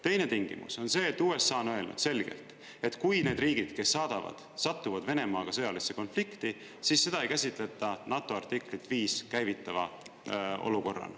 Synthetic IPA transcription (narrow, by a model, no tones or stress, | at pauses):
t̪e̞jne̞t̪iŋɡ̥ḭmṵso̞nse̞ːt̪ːˑuːe̞sːɑːono̞e̞lnṵd̥̪se̞lɡ̥ḛlt̪ˑ | e̞t̪kujne̞ːd̪riːɡ̥id̪̥ke̞sːɑːd̪̥ɑvɑ̰d̪̥sɑt̪ːˑuvɑd̪ve̞ne̞mɑːɡ̥ɑsɤ̞jɑlisːeko̞nflikt̪i | siːsːe̞d̪̥ɑejkæsʲit̪ˑle̞t̪ːˑɑnɑt̪ːˑo̞ɑrt̪ikˑlit̪ːviːskæjvit̪ːˑɑvɑ̰ | ʔo̰luko̞rːɑ̰n